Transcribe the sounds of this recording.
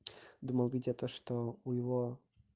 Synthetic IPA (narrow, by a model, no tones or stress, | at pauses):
d̪umɐwˠvʲitʲɐt̪ɔʂt̪ɔujɪvɔ